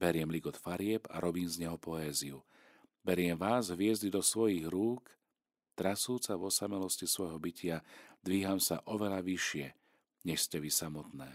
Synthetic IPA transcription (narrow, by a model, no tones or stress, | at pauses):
b̥ɛɾɪɛmliɡɔt̪faɾɪɛba̰ɾɔbiːmzɲɛɦɔpɔɛːziu | bɛɾɪɛmʋaːzɦʋɪɛzɟid̪ɔsʋɔjiɣɾuːk | t̪ɾasuːt͡saʋɔsamɛlɔscisʋɔjɦɔbicɪad̪ʋiːɦamsa̰ʔɔʋɛlaʋiʃɪɛ | ɲɛʃscɛʋisamɔt̪nɛː